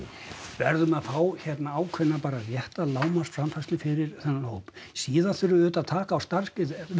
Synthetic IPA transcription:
vɛ̰ɾðʏmaðfaːwçɛt̪naaːwkʰvɛnːapaːɾarjɛht̪alaːwmasfɾamfast̪lɪfɪɾɪɾ̥θɛnːalhoːwp | siːðaθʏɾʏʏːt̪aðt̪ʰaːkaːwst̪aɾ̥skɪð

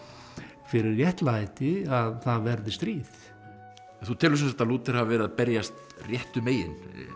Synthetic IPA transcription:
fɪɾɪɾjɛht̪laajt̪ɪaðθaðvɛɾðɪst̪ɾiːθ | ɛnθut̪ʰɪlʏmsɛnsḁt̪aluːt̪ɪɾ̥havvɛːɾɪðapɛɾjast̪ | rjɛht̪ʏmeːjɪ̰n

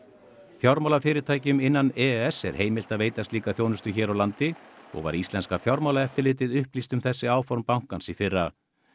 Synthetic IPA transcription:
θjɔwɾmawlafɪːɾɪɾt̪ʰaːjcʏmɪnːanɛɛsɛ̰ɾ̥heːjmɪl̥t̪aðveːjt̪ast̪liːkaθjoːwnʏst̪ʏçɛːɾawlant̪ɪɔ̰ɣva̰ɾist̪lɛnskafjɔwɾmawlaɛft̪ɪɾlɪːt̪ɪðʏhplist̪ʏmθɛsːɪaːwfɔɾmpawŋ̥kansifɪrːa

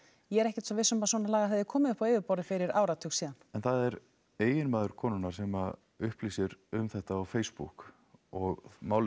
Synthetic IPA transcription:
jɛɛɾɛhcɛt̪sɔvɪsʏmpasɔnalaːɣaɛðɪɾkʰɔːmɪðʏhpaeːjvɪpɔwɾɪfɪɾɪɾa̰ːwɾat̪ʰusiːðanɛnθaðɛɾ | eːjɪnmaːðʏɾkʰɔːnʏnaɾ̥sɛma | ʏhpliːsɪɾʏmθɛht̪aawfeːjspṵk | ɔɣmaːwl

